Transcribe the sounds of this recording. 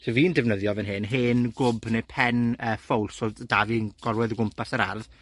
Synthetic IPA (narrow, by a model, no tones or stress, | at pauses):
soviːndɛvnəðjɔvɛnɦɨnɦɨːnɡʊbnepʰɛnəːfowlˠsɔdavinɡ̥ɔɾwɨðɡʊmpʰasəɾa̰rð